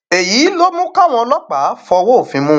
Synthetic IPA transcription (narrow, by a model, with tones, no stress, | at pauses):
e˨ji˨˦lo˦mũ˦ka˦˨w̃ɔ̃˧ɔ˧lɔ˦k͡pa˨˦fɔ˧wo˦˨fĩ˧mũ˦